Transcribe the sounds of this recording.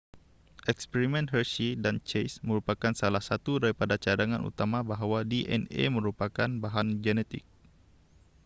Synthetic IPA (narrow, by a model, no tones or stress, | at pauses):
ʔɛkspɛɾimɛnɦərʃidant͡ʃejsməɾupakansalahsat̪udaɾipadat͡ʃadaŋanṵt̪amabaɦwadiʔɛ̰nḛməɾupakanbaɦand͡ʒɛnɛt̪ɪ̰k̚